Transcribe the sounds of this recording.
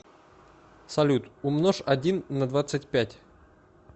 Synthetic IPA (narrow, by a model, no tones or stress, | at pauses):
sɐlʲut̪ʊmnoʂɐdʲinːəd̪vat̪sɨtʲpʲætʲ